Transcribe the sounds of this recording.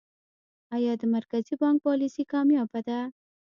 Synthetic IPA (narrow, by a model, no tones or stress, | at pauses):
ajɑd̪əmaɾkazibɑŋk̚pɑlisikɑmjɑbad̪a